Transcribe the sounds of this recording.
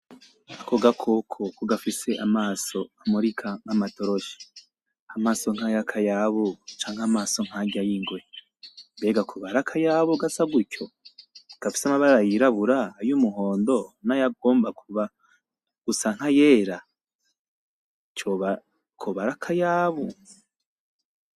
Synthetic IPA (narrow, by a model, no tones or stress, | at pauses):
ako̞ɡakʰokʰokoɡafise̞ʔamaːso̞amuɾikʰaŋamato̞ɾo̞ʃi̥ | amaːsoŋ̥ajakʰajaβot͡ʃaːŋhamaːso̞ŋ̥haɟajiŋɡwe̞ | mbe̞ːɡakʰuβaɾakʰajaβoɡasaɡuco̞ɡ̥afi̥samaβaɾɾajiɾaβuɾaːjumuɦo̞ːndo̞najaɡo̞ːmbakuβa | ɡ̥usaŋ̥haje̞ːɾa | t͡ʃoβ | kʰoβaɾakʰajaːβu